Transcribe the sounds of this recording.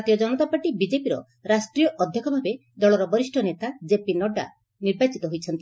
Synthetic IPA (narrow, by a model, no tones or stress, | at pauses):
t̪ijɔd͡ʒɔnɔt̪apaʈibid͡ʒepiɾɔ̰ | ɾasʈɾijɔʔɔd̪ʱjɔkɔbʱabe | d̪ɔɭɔɾɔbɔɾisʈʰɔnet̪ad͡ʒepinɔɖa̰ | niɾbat͡ʃit̪ɔɦojt͡ʃʰɔnt̪i